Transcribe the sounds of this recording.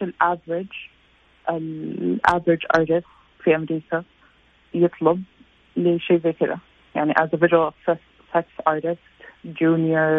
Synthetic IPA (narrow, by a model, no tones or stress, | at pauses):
ɪlʔavɾɪd͡ʒ | ʔɪlʔa̰vɾɪd͡ʒʔɑ̰ɹɾɪs | fiːʔamɾiːkʰa | jɨt̪ʰˤlɑb̚ | lɪʃeːzɛːkɪɾa̰ | jaʕniʔadəvɪʒwəlˠksɛs | fɛksɑɹɾɪstd͡ʒuːnjəɹ